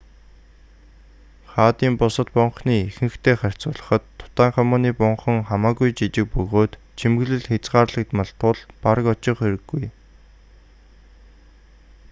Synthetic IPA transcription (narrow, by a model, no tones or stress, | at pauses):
χaːt̪iːmpʊsə̆t̪pʊɴχniːexɘ̆ŋxt̪ʰeːχar̥ʲt͡sʊːɮə̆χə̆t̪ʰːʊ̥t̪aːɴχœmʊːniːpʊɴχə̆ŋχamaːɣujt͡ɕit͡ɕɪ̆k̚pɵɣoːt̪ | t͡ɕʰimɡɘ̆ɮɘ̆ɮxet͡sɢaːrɮə̆k̚t̪mɔɮt̪ʰʊɮpaɾə̆kɔt͡ɕɪ̆χeɾɘ̆ɡːuj